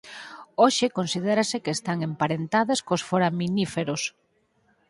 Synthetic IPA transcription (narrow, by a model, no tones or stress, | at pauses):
oʃɪkonsiðɛɾasɪkest̪aŋempaɾent̪aðaskosfoɾaminifeɾos